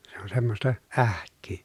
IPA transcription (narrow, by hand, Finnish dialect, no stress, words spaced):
se on semːostɑ æhkˑyː